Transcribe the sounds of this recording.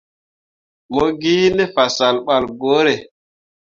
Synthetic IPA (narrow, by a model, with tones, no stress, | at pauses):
mo˦ɡiː˦ne˦fa˨sa˨lɓa˨lɡo˦ɾe˨